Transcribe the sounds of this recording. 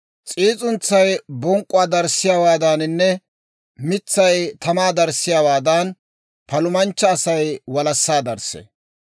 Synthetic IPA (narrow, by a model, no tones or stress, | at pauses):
t͡sʼiːt͡sʼʊnt͡sːɐjbɔŋkʼʊwaːd̪ɐɾsɪjaːwaːd̪aːnɪnːɛ | mɪt͡sːɐjt̪ɐmaːd̪ɐɾsːɪjaːwaːd̪ɐn | pɐlʊmɐnt͡ʃːɐːsɐjwɐlɐsːaːd̪ɐɾsḛ